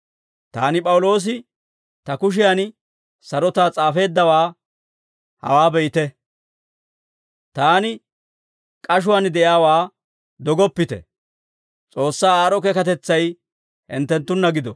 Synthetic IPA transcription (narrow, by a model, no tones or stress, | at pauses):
t̪a̰ːnɪpʼɐwʊlo̞ːs̬ɪ | t̪ɐkʊʃ̬ɪjan | sɐɾɔt̪aːt͡sʼaːfe̞ːd̪ːɐwaː | hɐ̰waːbɛjɪt̪ɛ | t̪aːnɪ | kʼɐʃ̬ʊwaːnd̪ɛjaːwaː | d̪ɔɡɔpːɪt̪ɛ̰ | t͡sʼo̞ːsːaːaːɾɔkɛkɐt̪ɛt͡sːɐj | hɛnt̪ːɛnt̪ːʊnːɐɡɪd̪ɔ